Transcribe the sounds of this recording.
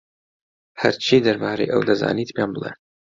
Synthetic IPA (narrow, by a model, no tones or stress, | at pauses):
hɐ̰ɾt͡ʃʰiːd̪ɐɾbaːɾejʔɐ̰wd̪ɐza̰ːniːt̪pjaːnbɨlˠḛ